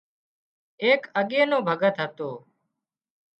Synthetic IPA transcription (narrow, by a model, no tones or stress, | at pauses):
eːkəɠeːnõːbʱəɡət̪ɦət̪oː